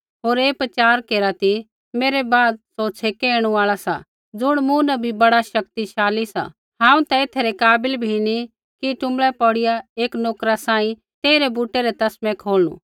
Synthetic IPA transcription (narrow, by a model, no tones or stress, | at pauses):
ɦoːɾeːpɾɐt͡ʃaːɾkeːɾat̪i | meːɾebaːd̪̚soːt͡sʰekeːɽ̃uaːɭasa̰ | d͡zʊɽ̃mũnɐbʱibɐɽaʃɐk̚t̪iʃaːlisa̰ | ɦãːũt̪ɐet̪ʰeɾekaːbɪlbʱini | kiʈʊ̃mɭɛpɔɽɪjaeːknoːkɾasãːĩ | t̪eːiɾebuːʈeɾet̪ɐsmɛ̃kʰoːlñṵ̃